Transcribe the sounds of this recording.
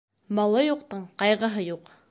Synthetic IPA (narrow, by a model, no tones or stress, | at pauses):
bɑlˠɤjuqt̪ɤɴqɑjʁɤ̆ɦɤjuq